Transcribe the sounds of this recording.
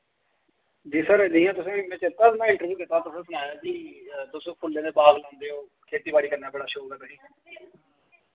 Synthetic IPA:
d͡ʒiːsəɾd̪ɪːãːt̪ʊsẽːmɛ̃ːt͡ʃət̪əsnãːɪɳʈəɾbjuːkɪt̪ːaːt̪ʊsẽːsənaːjaːkit̪ʊspʰʊlːẽːd̪eːbaːɡlãːnd̪eːɦõː | kʰeːt̪iːbaːɽiːkəɾnaːbəɽaːʃoːkəɾd̪aːɦĩː

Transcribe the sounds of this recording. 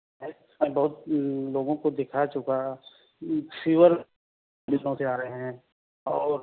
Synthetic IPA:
ɛː | mẽbɔɦːt̪loːɡõkod̪ɪkʰat͡ʃʊka | fiːʋəɾ | bɪlːõseaːɾəɦeɦɛ̃ː | ɔːɾ

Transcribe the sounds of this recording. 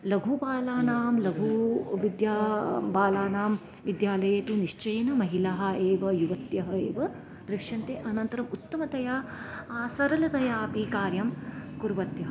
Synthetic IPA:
lɐɡʱubaːlaːnaːmlɐɡʱuʋid̪jaːbaːlaːnaːm | ʋid̪jaːlɐjeːt̪uniʂt͡ʃɐjnɐmɐɦilaːɦɐ̆eːʋɐjuʋɐt̪jɐɦɐeːʋɐ | d̪̥ɾiʂɐnt̪eʔɐnɐnt̪ɐɾɐmut̪ːɐmɐt̪ɐjaːsɐɾɐlɐt̪ɐjaːpikaːɾjɐmkuɾʋɐt̪jɐɦɐ

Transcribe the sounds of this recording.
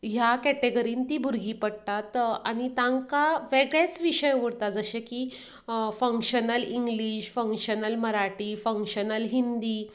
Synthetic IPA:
ɦjakæʈeɡəɾiːnt̪iːbʱuɾɡʱiːpəɽ̚t̪at̪aɽ̃it̪ãŋkaʋeɡɭjat͡sʋiɕəjʋəɽt̪ad͡zəɕẽki | fə̃ŋkɕənəliŋɡliɕfə̃ŋkɕənəlməɾaʈiːfə̃ŋkɕənəlɦind̪iː

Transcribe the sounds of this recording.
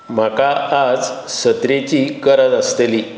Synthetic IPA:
m̤akaːd͡zsət̪ɾet͡ɕikəɾət̪əst̪eli

